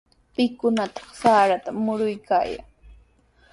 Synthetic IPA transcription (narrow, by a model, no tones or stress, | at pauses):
pɪkʊnat̪ɑ̥χsaːɾat̪amːʊɾʊjkaːja̰ŋ